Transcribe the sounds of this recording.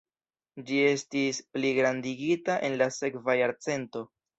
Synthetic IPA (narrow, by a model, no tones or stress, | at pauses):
d͡ʒie̞stispliɡɾandiɡitaʔe̞nlase̞kvajaɾt͡se̞nto̞